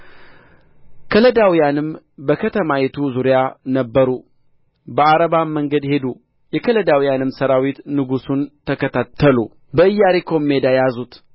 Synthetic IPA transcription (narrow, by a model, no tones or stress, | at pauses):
kʰələd̪awijanɨm | bəkʰət̪ʰəmajɛt̪ʰuzuɾijanəbːəɾu | bəaɾəβamːəŋɡəd̪he̞d̪u | jɛkʰələd̪awijanɨmsəɾawit̪nɨɡusunt̪ʰːəkʰət̪ʰat̪ʰːəlu | bəɨjːaɾikʰo̞mːed̪ajazut̪